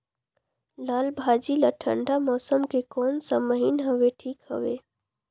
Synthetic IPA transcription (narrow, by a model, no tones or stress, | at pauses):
laːlbʱaːd͡ʒilaʈʰə̰̃ɳɖamɔːsəmkekɔːnsaməɦinɦəʋeʈʰiːkhə̰ʋeː